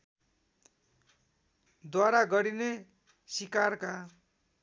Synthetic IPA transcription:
d̪waɾaɡʌɾine | sikarka

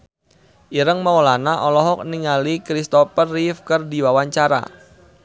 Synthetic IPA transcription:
ʔiɾəŋmaɔlanaʔɔlɔɦɔk̚niŋalikɾist̪ɔpərifkərdiwawaɲt͡ʃaɾa̰

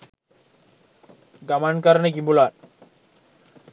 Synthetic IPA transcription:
ɡamankaɾnekimbulaɾ

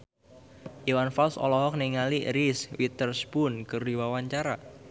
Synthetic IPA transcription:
ʔiwanfalsɔ̰lɔɦɔk̚niŋaliɾiswit̪ərsbunkɨrdiwawaɲt͡ʃaɾa

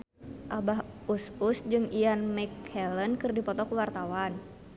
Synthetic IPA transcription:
ʔabaɦususd͡ʒɨŋianmɛkhɛlənkɨrdipɔt̪ɔkuwart̪awan

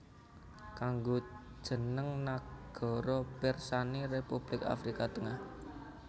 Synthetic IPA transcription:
kaŋɡod̥ʒ̥ə̤nəŋnaɡ̥ɔ̤ɾɔpɪrsanirepub̥lɪka̰fɾikat̪əŋah

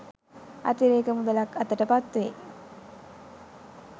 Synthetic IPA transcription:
a̰t̪iɾeːkəmud̪əlakat̪əʈəpat̪ʋe

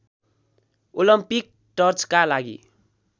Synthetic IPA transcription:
olʌmpik̚ | ʈʌrt͡skalaɡḭ

